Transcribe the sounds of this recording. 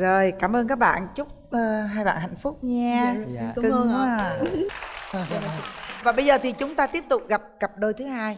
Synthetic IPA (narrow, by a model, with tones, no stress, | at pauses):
zo˨˩jkaː˧˩mʔəː˧nk̬aː˦˥k̚ɓa̰ː˧˨nt͡ɕʊ˦˥k͡p̚ʔəː˧˩ɦaː˧jɓa̰ː˧˨nha̰˧˨jŋ̟fʊ˦˥k͡p̚ɲaː˧kɨ˧˦˨ | vaː˨˩ɓə˧jzəː˨˩t̪ʰi˨˩t͡ɕʊ˨˦ŋ͡mt̪aː˧t̪i˦˥əp̚t̪ʊ˨˩k͡p̚ɣa˨˩p̚ɣa˨˩p̚ɗo˧jt̪ʰɨ˨˦haː˧j